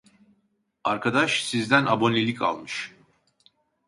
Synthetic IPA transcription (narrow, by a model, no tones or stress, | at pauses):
aɾkʰad̪aʃsizd̪ænʔabo̞nʲelʲikʰa̰lˠmɯʃ